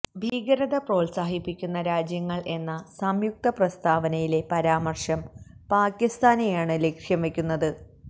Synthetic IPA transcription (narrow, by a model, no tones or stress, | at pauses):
bʱiːɡɐɾɐðɐpro̞ːlsaːɦipːikʲːunːɐɾaːd͡ʑjɐŋːɐɭʔe̞nːɐsɐmjuk̚t̪ɐprɐst̪aːʋɐnɐjile̞pɐɾaːmɐrʂɐmpaːkːist̪aːnejaːɳɨlekʂjɐmʋe̞kʲːunːɐðɨ